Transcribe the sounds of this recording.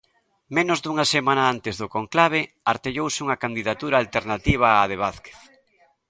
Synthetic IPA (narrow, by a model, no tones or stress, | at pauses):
mẽnʊzðuŋasemãnaant̪ɪzðʊkoŋklaβ̞e | aɾt̪eʎowsɪuŋɐkand̪iðat̪uɾaːlt̪eɾnat̪iβ̞aːðeβ̞aθke̥θ